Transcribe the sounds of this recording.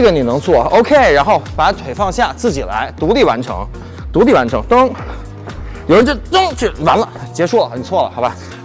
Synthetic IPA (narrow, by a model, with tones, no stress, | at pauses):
ɡə˧˥˩ni˨˩nɤ˧˥ŋt͡swɔ˥˩o˥ʊkʰe˥ɪɻa˧˥nxo˥˩ʊpa˧˥ʈ͡ʂʰwe˨˩ɪfɑ˥˧ŋɕja˥˧t͡sɹ̩˥˩t͡ɕi˨˩la̰˧˥ɪt̪u˧˥li˥˩wa̰˧˥nʈ͡ʂʰɤ̰˧˥ŋ | t̪u˧˥li˥˩wa˧˥nʈ͡ʂʰɤ˧˥ŋt̪ɤ˥ŋ | jo˨˩ʊɻə˧˥nt͡ɕo˥˧˩t̪ɤ˥ŋt͡ɕʰy˥˩wa˧˥nlə˧˥˩t͡ɕjɛ˧˥ʂu˥˩lə˩xə˨˩nt͡sʰwɔ˥˩lə˩xa˥˧ɪba˧˩